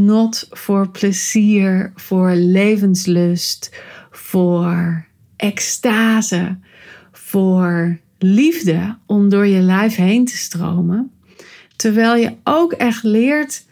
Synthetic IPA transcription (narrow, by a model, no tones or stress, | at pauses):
nɔtfʊːɹpʰləziːɹfʊːɹlejvənsløstfoːɹ | ʔɛkstaːzə | fʊːɹ | livdəʔɔmdʊːɹjəlɛjfɦejntʰə̥stro̰wmə | təɹʋɛjlˠjəʔowkɛχtlɪːɹt